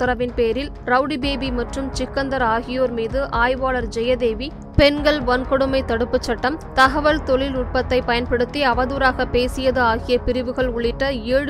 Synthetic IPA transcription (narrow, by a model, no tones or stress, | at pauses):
ɐɾɐʋɪnpeːɾɪl | ɾɐʊɽibeːbimɐʈrɯmt͡ʃɪkːɐnd̪ɐɾaːɣɪjoːɾmiːðɯʔʔaːjʋaːɭɐɾd͡ʒɛjɐd̪eːʋi | pɛnɡɐɭʋɐnkɔɽɯmɐɪt̪ɐɽɯpːɯt͡ʃːɐʈːɐmt̪ɐɣɐʋɐɭt̪ɔɭɪlʊʈ̚pɐt̪ːɐɪpɐjɐnpɛɽɯt̪ːiɐʋɐðuːɾaːɣɐpeːsɪjɐðɯaːɣɪjɐpɪɾɪʋɯɣɐɭʊɭɪʈːɐeːɻɯ